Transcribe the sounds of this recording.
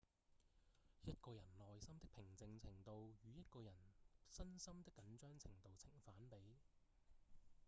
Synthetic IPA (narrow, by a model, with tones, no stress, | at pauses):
jɐ˥t̚kɔː˧jɐ˨˩nlɔː˨jsɐ˥mt̪ɪ˥k̚pʰɪ˨˩ŋt͡sɪ˧ŋt͡sʰɪ˨˩ŋt̪o˧wjyː˨˧jɐ˥t̚kɔː˧jɐ˨˩nsɐ˥nsɐ˥mt̪ɪ˥kːɐ˨˥nt͡ʃœː˥ŋt͡sʰɪ˨˩ŋt̪o˨wt͡sʰɪ˨˩ŋfaː˨˥npe˨˥j